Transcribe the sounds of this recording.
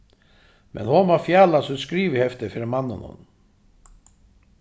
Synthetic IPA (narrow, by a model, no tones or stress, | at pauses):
mʔɛ̰nhɔnmafjaːlasʏskɾiːvɪhɛft̪ɪɾfɪɾɪɾmanːɪ̰nhʊ̰n